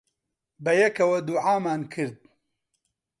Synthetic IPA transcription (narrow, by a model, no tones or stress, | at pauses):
bɐjɐkɐwɐd̪uʕaːmaːnkʰɨɾd̪̚